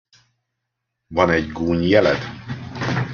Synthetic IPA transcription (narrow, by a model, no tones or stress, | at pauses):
vɒnɛɟɡuːɲjɛlɛ̰d̪